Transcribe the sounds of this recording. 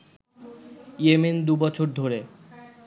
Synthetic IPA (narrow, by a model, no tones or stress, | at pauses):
emend̪ubɔt͡ɕʰoɾd̪ʱoɾe